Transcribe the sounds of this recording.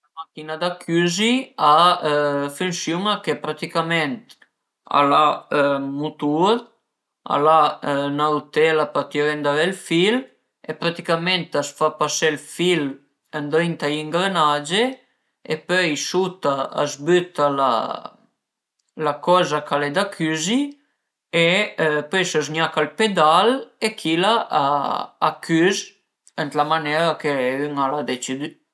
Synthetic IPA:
amakinad̪akʰyzia | fynsjumakepɾat̪ikament̪ | a̰lamut̪uɾ | a̰lanawt̪ɛlapat̪iɾend̪avelfil | epɾat̪ikament̪asfapaselfil | ənd̪ɾint̪aiŋɡɾenad͡ʒe | epœjsut̪aa̰zbyt̪ala̰ | lakɔzakalɛd̪akʰyzi | epœjsəz̬ɲakalped̪alekʰilaʔa̰ː | kʰyz | ənt̪lamanɛɾakeyŋalad̪et͡ʃid̪y

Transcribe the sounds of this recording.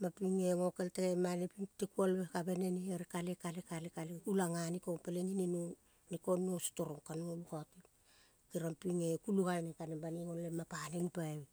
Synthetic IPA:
mapiŋeŋokelteemanepiŋtekualβekaβeneniaɾikalekalekalekalekulaŋanikopeleŋininu | nikonuosto̞ɾoŋkanuolukati | kiɾampiŋekuluɡalnekanebaniŋonlemapanenpaw

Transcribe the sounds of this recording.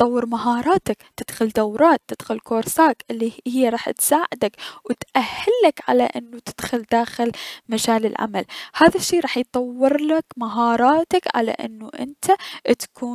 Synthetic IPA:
t̪ˤɑwːɪɾmaɦɑːɾˤɑːt̪akt̪ːɪd̪̥xʊld̪awɾˤɑːt̪ːɪd̪xʊlkoːɾsaːkʔɪlːihɪjːaɾˤɑːħt̪saːʕɪd̪akwɪt̪ʔahːɪlːakʕa̰laʔɪnːut̪ɪ̥d̪̥xʊld̪aːxɪlmad͡ʒaːlɪlʕa̰malhaːðaʃːeːɾˤɑːħjt̪ˤɑwːɪɾlakmaɦɑːɾˤɑːt̪akʕa̰la̰ʔɪ̰nːuʔɪ̰nt̪at̪ḁkʰuː

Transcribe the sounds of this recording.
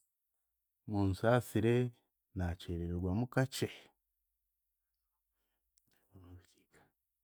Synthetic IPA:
muːnsaːsiɾe | nat͡ʃeɾeɾeɾwamukat͡ʃe | unoβiki̥kḁ

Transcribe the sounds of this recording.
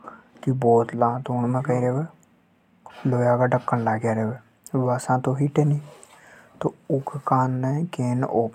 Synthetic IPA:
kibɔːt̪lãːt̪oːɳmɛ̃ːkəiːɾeːʋeː | loːjaːɡaːɖəkːənlaːɡjaːɾeːʋeː | ʋaːsãːt̪õːɦiːʈeːniː | t̪oːʊkʰkaːnːɛːkeːnʔoːp

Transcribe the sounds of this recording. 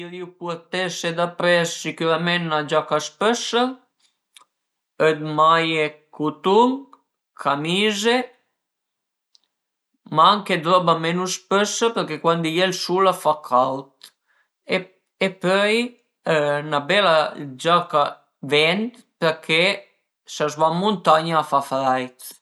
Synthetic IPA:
iɾiupuɔt̪ɛsed̪apɾɛsːikuɾamɛnnad͡ʒakaspəsə | əd̪̚majekut̪uŋ | kʰamiːze | maŋked̪ɾɔbamɛnuspəsəpəɾkekwand̪ijelsulafakʰalt̪ | e | epœj | nabɛlad͡ʒaka | vɛnt̪ | pəkʰe | sazvamunt̪aɲaːfafɾajt̪

